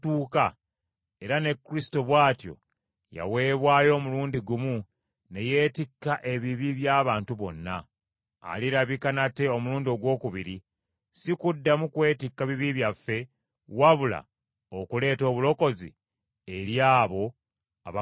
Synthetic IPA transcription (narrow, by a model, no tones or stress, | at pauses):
tuːka | e̞ɾane̞kːɾisi̥toβwaːtjo̰ | ja̰we̞ːβwaːjo̞ːmuluːndiɡumu | ne̞je̞ːtikːaʔe̞βiβiβjaːβaːntuβo̞̰nːa̰ː | liɾaβikanate̞o̞muluːndio̞ɡwo̞ːkuβiɾi | sikudːamukwe̞ːtikːaβiβiβjafːe̞ | waβula̰ | okule̞ːto̞ːβulo̞ko̞zḭ | e̞ɾjaːβo̞ | a̰βa